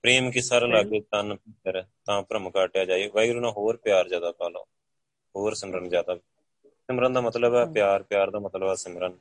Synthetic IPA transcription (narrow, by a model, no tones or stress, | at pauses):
pɾiːmkɪsaɾlaːɡet̪ənpɪtəɾt̪ãːpɾəmkaːʈjaːd͡ʒaːiʋəiɡɾuːnãːɦoːɾpɪjaːɾzjaːd̪aːpaːlõ̰ː | hoːɾsɪmɾənd͡ʒjaːd̪aː | sɪmɾənd̪aːmət̪ləbɛːpɪjaːɾpɪjaːɾd̪aːmət̪ləbɛːsɪmɾən